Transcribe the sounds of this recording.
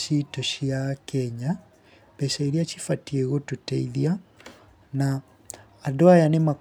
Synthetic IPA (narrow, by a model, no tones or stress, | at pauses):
itɔɕiakɛɲa | bɛsaiɾiat͡ʃifatieɣotutɛiðia | naː | doajanemak